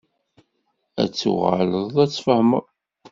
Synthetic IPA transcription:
æ̰t͡sːṵʁa̰ləðˤæt͡sːfəhməɾˤ

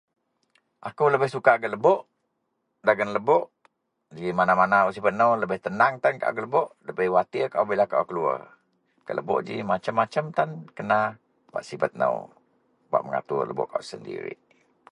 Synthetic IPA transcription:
ʔakuləbəhsukaɡələbɔʔ | daɡənləbɔʔ | d͡ʒimanamanauʔsibət̪̚nəwləbəht̪ənaŋt̪anka̰ʔa̰ɡələbɔʔləbəhwat̪iəkaʔubilahkaʔa̰kəluə̰ | kəʔlʔə̰bɔ̰ʔd͡ʒḭmat͡ʃəmːat͡ʃəmt̪ankəna | ba̰ʔsifət̪̚nə̰w | ba̰ʔməŋa̰t̪uləbɔ̰ʔkasəndḭɾḭʔ

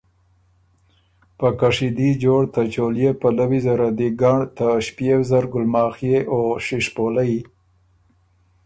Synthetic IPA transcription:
pəkaʂid̪id͡ʒoɽt̪at͡ʃoljepalawizaɾad̪iɡɑɳt̪aʃpjewzaɾɡʊlmɑːxjeʔoʂiʂpolaji

